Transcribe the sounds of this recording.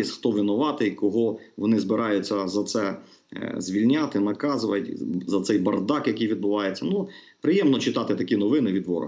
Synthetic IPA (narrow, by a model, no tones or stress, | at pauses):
ɛsʲxt̪ɔʋʲinʊʋɑt̪ɪkɔɦɔʋɔnɪzbɪɾʔɑjʊt͡sʲːɐzɐt̪sɛ | zʲʋʲilʲnʲɑt̪ɪnɐkɑzʊʋɐ̰tʲzɐt̪sɛjbɐrd̪ɑkjɐkʲijʋʲid̪̚bʊʋɑjet͡sʲːɐnu | pɾɪjɛmnɔt͡ʃɪt̪ɑt̪ɪt̪ɐkʲinɔʋɪnɪʋʲid̪ʋɔ̰ɾɔ̰